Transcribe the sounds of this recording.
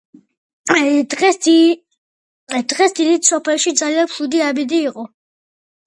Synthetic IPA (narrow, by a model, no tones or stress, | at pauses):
a | d̪̥ʁɛsd̪id̪it̪ʰsɔpʰɛlˠʃid̪zalianpʰlud̪iabid̪iːqʼɔ